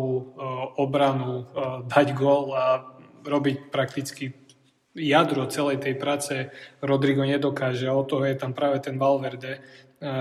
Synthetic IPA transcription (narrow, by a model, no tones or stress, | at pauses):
uɔbɾanud̪aɟɡʊɔlaɾɔbicpɾak̚t̪it͡ski | jad̪ɾɔt͡sɛlɛjt̪ɛjpɾaːt͡sɛɾɔd̪ɾiɡɔɲɛd̪ɔkaːʒɛaɔt̪ɔɦɔjɛt̪ampɾaːʋɛt̪ɛnʋalʋɛɾd̪ɛ